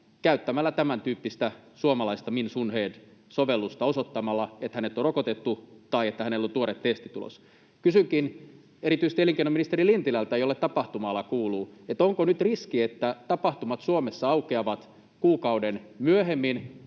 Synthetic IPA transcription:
kæyt̪ːæmælːæt̪æmænt̪yːpːist̪æsuomɑlɑist̪ɑminsunheːdsoʋelːust̪ɑosot̪ːɑmɑlːɑet̪hænet̪ːˑorokot̪et̪ːut̪ɑiet̪ːæhænelːont̪uoɾet̪t̪est̪it̪ulo̰s | kysyŋkin | eɾit̪yist̪ieliŋkeinominist̪erilint̪ilælt̪æejolːet̪t̪ɑpɑht̪umɑlːɑkuːluːet̪oŋkonyt̪riskiet̪ːæt̪ɑpɑht̪umɑt̪suomesːɑɑukeɑʋɑt̪ | kuːkɑudenmyøhemːin

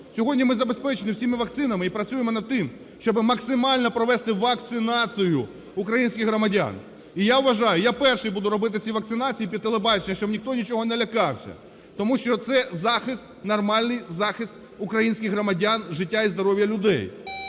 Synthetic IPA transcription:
sʲɔɦɔdʲnʲimɪzɐbe̞spɛt͡ʃɪnɪwsʲimɪʋɐk̚t̪sɪnɐmɪipɾɐt͡sʲujemɔnɐd̪̚t̪ɪm | ʃt͡ʃɔbɪmɐksɪmɑlʲnɔpɾɔʋɛst̪ɪʋɐk̚t̪sɪnɑt͡s̪ʲijʊ | ukɾɐjinʲsʲkʲɪɣɦɾɔmɐdʲa̰n | ijaʋʋɐʒɑjʊjapɛrʃɪjbud̪ʊɾɔbɪt̪ɪt͡sʲiʋɐk̚t̪ɪnɑt͡sʲijipʲid̪t̪ːelˠebɑt͡ʃɪnʲːɐʃt͡ʃɔbnʲixt̪ɔnʲit͡ʃɔɦɔnɛlʲɐkɑwsʲɐ̰ | t̪ɔmuʃt͡ʃɔt̪sɛzɑxɪst̪nɐrmɑlʲnɪjzɑxɪst̪ | ʊkɾɐjinʲsʲkʲɪɣɦrɔmɐdʲanʒɪtʲːaizd̪ɔɾɔʋʲjɐlʲʊd̪ɛ̰j

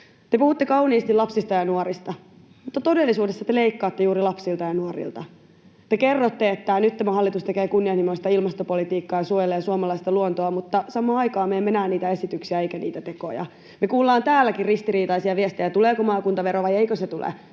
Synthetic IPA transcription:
t̪epuhut̪ːekɑuniːst̪ilɑpsist̪ɑjɑnuoɾist̪ɑ | mut̪ːɑt̪odelːisuːdesːɑt̪eleikːɑːt̪ːejuːɾilɑpsilt̪ɑjɑnuorḭlt̪ɑ | t̪ekerːot̪ːe̞et̪ːænyt̪t̪ːæmæhɑlːit̪ust̪ekeːkunːiɑhnimost̪ɑilmɑst̪opolit̪iːkːɑːjɑsuojeleːsuomɑlɑist̪ɑluont̪oɑmut̪ːɑsɑmˑɑːɑjkɑːmeeːmenæːnniːt̪æe̞sit̪yksiæejkænḭːt̪æt̪eko̰jɑ̰ | mekuːlːɑːnt̪æːlːækirrist̪iɾiːt̪ɑisiɑʋiest̪ejæt̪uleːkomɑːkunt̪ɑʋeɾoʋɑjeikøset̪ulḛ

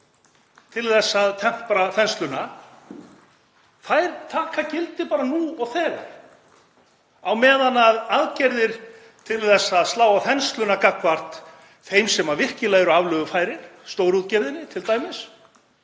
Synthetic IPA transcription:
t̪ʰɪlθɛsːaðt̪ʰɛm̥tpɾaθɛnst̪lʏna | θajɾt̪ʰaːkʰacɪlt̪ɪpaːɾanuɔɣθɛːɣa̰ɾ̥ | awmɛːðanaðaðcɛɾðɪɾ̥ | t̪ʰɪlθɛsːaðst̪laːwaθɛnst̪lʏnakakvar̥t̪ | θejmsɛmavɪr̥cɪlajɣɪɾʏavlœːɣʏfajɾɪɾ̥st̪oːwɾut̪cɛɾðɪnːɪt̪ʰɪlt̪aːjmɪs

